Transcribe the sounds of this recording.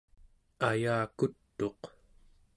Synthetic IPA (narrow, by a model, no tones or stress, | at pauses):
ajaːkut̪ːo̞q